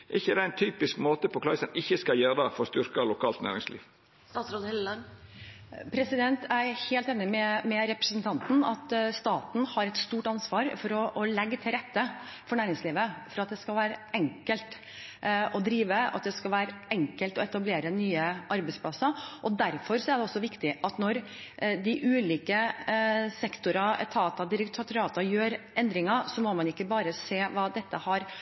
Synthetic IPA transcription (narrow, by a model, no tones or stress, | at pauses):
ʔɪçːəd̪ɛɪnt̪ʰyːpɪskmoːt̪əpʰɔkʰlɑɪsənɪçːəskɑljøːɾd̪ɑfɔɾst̪ʏɾkɑlʊkʰɑːlt̪næ̰ːɾɪ̰ŋslḭːʋ | st̪ɑːsɾoɛ | pʰɾɛsɪd̪ɛnt̪æɾheːlt̪eːnɪmɛmɛɾɛpɾəsn̩t̪ʰɑnt̪n̩ɑt̪st̪ɑːt̪n̩hɑɾɛt̪st̪uːʈɑnsʋɑːɾfɔɾɔʔɔlɛɡːət̪ʰɪlɾɛt̪ːəfɔɳæːɾɪŋsliːʋəfɔɾɑt̪̚d̪ɛskɑlʋæːɾəɛŋkəlt̪ | ʔɔd̪ɾiːʋəɑ̰t̪̚d̪ɛskɑlʋæːɾəɛŋkəlt̪ɔɛt̪ɑbleːɾənyːəʔɑɾbɛɪsplɑsɑʔɔd̪æɾfɔɾsɔæɖɛɔsːɔʋɪkt̪ɪʔɑt̪nɔɾd̪ɪʔʉːliːkə | sɛkt̪ʊɾɑɛ̰t̪ʰɑːt̪ɑd̪ɪɾɪkt̪ʰt̪ɾɑːt̪ɑjøːɾʔɛnd̪ɾɪŋɑsɔmɔmɑnɪkːəbɑːɾəseːʋɑːd̪ɛt̪ːəhɑɾ